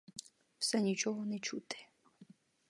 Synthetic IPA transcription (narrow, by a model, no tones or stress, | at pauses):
wsɛnʲit͡ʃɔɦɔnɛt͡ʃut̪ɪ̥